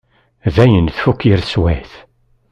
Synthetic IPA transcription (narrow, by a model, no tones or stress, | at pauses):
ðæjənθfukːiɾswæθ